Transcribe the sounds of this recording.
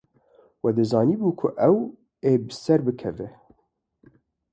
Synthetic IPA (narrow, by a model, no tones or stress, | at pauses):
wɛd̪ɨzɑːniːbuːkʰʊʔɛw | eːbɨsɛɾbɨkʰɛvɛ